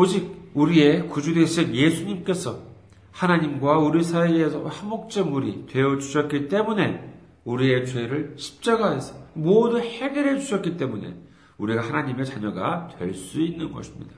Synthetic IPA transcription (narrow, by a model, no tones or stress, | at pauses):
od͡ʑiɡ̚uɾie̞kud͡ʑudeɕʰinje̞sʰuɲimk͈e̞sʰʌ | hanaɲimɡwauɾisʰaiesʰʌ̰amok̚t͡ɕ͈ʌmːuɾitwe̞ʌd͡ʑuɕʰʌt̚k͈it͈e̞mune̞ | uɾie̞t͡ɕwe̞ɾɯɭɕʰi̥p̚t͡ɕ͈aɡaɦe̞sʰʌmodɯnhe̞ɡeɾed͡ʑuɕʰʌt̚k͈it͈e̞mune̞̰ | uɾiɡahanaɲime̞t͡ɕaɲʌɡa̰twe̞ɭs͈uinːɯnɡʌɕʰimɲḭda